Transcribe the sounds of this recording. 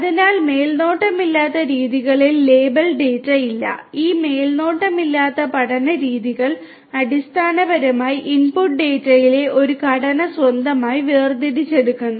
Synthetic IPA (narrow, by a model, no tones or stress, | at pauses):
ɐðinaːlme̞ːlno̞ːʈːɐmilːaːt̪ːɐɾiːðiɣɐɭilːe̞ːbɐlɖeːtːɐjilːɐ̰iːme̞ːlno̞ːʈːɐmilːaːt̪ːɐpɐɽɐnɐɾiːðiɣɐɭ | ɐɽist̪ʰaːnɐbɐɾɐmaːjiʔinpuʈ̚ɖe̞ːtːɐjile̞ʔo̞ɾukɐɽɐnɐswɐnd̪ʱɐmaːjiʋeːrd̪iɾit͡ɕːe̞ɽukːunːu